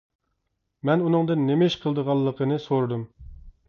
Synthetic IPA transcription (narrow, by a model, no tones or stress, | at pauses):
mɛnunɨŋd̪ɨnːemɪʃqʰəlˠd̪əʁɑlˠːəqʰənɨsoɾd̪um